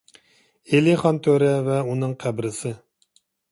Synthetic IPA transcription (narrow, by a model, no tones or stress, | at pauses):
elɪχɑnt̪ʰøɾɛvɛunɨŋqʰæbɾɪsɨ